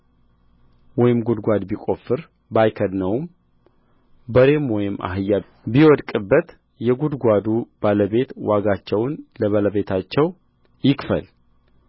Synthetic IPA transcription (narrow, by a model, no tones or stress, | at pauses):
wɔjɪmɡud̪ɡʷad̪bikʼo̞fːɨɾ | bajkʰəd̪nəwm | bəɾe̞mwɔjɪmːa̰ɦɨjːa | biwɔd̪kʼɨbːət̪ | jɛɡud̪ɡʷad̪ub̥aləβe̞t̪waɡat͡ʃːɛwnləβaləβe̞t̪ʰat͡ʃːɛw | jɪkfə̰l